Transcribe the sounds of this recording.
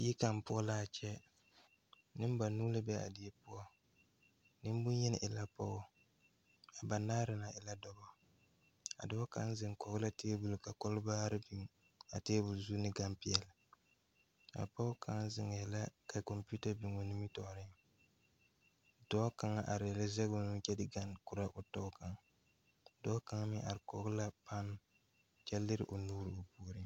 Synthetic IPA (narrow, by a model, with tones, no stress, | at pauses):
ji˦ka˨m˨pʊ˦ɔ˦la˦a˨t͡ʃɛ˦ | nɪ˦m˦ba˨nu˦lɨ˦bɛ˦a̰˨dɪ˨ɛ˦pʊ˦ɔ˦ | nɪ˦m˦bʊ˦n˦jɛ˦n˨ʔɪ˨la˦pɔ˦ʊ˦ | a˨ba˨naː˦ɾɪ˨na˨ʔɪ˨la˦dɔ˦bɔ˦ | a̰˨dɔ˦ɔ˦ka̰˨˦n˦zɪ˨ŋ˨kɔ˨ɣɨ˦la˦tʰeː˦bu˨lka˨kɔ˦lba˦ɾɪ˦b | a˨teː˦bu˨lzu˦nɪ˦ɡa˦mpɪ˦ɛ˨lɪ˨ | a̰˨pa˦ʊ˦ka˨˦ŋ˦zɪ˨ŋ˨jɛ˨la˦ka˨ko˨mpu˦ta˦bi˨ŋo˨ni˦mi˦tɔ˨ʔɾɪ˦ | dɔ˦ka˨ŋa˦ʔa˨ɾɪ˨ɛ˨la˦zɛ˦ɡo˦nu˦t͡ʃɛ˦dɪ˦ɡa˦n˨ku˨ɾa˦ʔʊ˨tɔ˦ka˨ŋ˨ | dɔ˦ka˨ŋa˦mɪ˦ʔa˨ɾɪ˨kɔ˨ɡʊ˦la˦pa˦n˨ | t͡ʃɛ˦lːɪ˦ɾɪ̰˦˨ʔo˨nuː˦ɾɨ˨o˨pu˦ɾi˦